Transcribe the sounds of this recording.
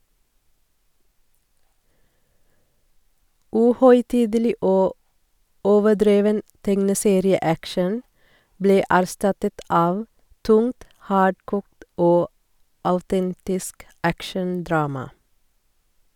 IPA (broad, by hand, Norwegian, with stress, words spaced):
ˈʉːhœʏˌtiːdəˌliː ˈoː ˈoːʋəˌɖɾeːʋən ˈtɛŋnəˌseːɾɪəˌækʃən ˈbleː æɾˈstɑtət ˈɑːʋ ˈtʊŋt ˈhɑːɖkuːkt ˈoː ɑʉˈtɛntɪsk ˈækʃənˌdɾɑːmɑ